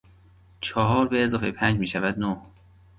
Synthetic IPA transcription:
t͡ʃʰɒːɦɒːɾbeːzɒːfe̞̰jpʰænd͡ʒmiːʃævæd̪noh

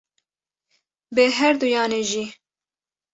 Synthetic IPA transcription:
bɨɦɛɾd̪ujɑːneːʒiː

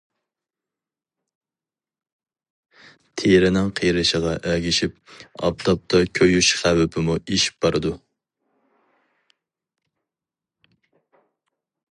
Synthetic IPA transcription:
t̪ʰeɾɪnɪŋqʰijɾɨʃəʁɑʔæɡʲɪʃip̚ɑ̰pt̪ˠɑp̚t̪ʰɑkʲʰøjyʃχæwɪpʰɪmueʃi̥p̚bɑɾɨd̪u

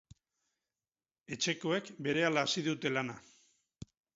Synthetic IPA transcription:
e̞t͡ʃe̞ko̞e̞kbe̞ɾe̞alaːsiðut̪e̞lana

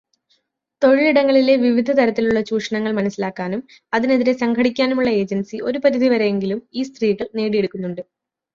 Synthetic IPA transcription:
t̪o̞ɻiɭiɽɐŋːɐɭile̞ʋiʋid̪ʱɐt̪ɐɾɐt̪ːiluɭːɐɕuːʂɐɳɐŋːɐɭmɐnɐsːilaːkːaːnum | ɐðine̞ðiɾe̞sɐŋɡʰɐɽikʲːaːnumuɭːɐe̞ːd͡ʑɐnsio̞ɾupɐt̪id̪ʱiʋɐɾe̞jeŋɡilumiːst̪riːkːɐɭneːɽije̞ɽukːunːuɳɖɨ

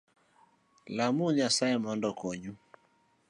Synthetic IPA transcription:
lamuɲasaɛmɔndɔkɔɲu

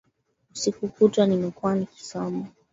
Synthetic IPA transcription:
usikukutanimɛkuaniki̥sɔmɔ

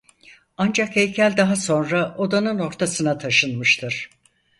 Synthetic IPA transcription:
and͡ʒakɛjʲcʰælʲd̪aɦaso̞nɾaʔo̞d̪anɯno̞ɾt̪ʰasɯnat̪ʰaʃɯnmɯʃt̪ʰɯɾ̥

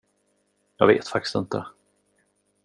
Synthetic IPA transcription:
jɑːɡvḛːt̪fak̚t̪ɪ̥st̪ɪnt̪ə

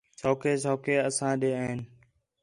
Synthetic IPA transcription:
t͡ʃʰoːkeːt͡ʃʰoːkeːəsãːɗeːəɦɪn

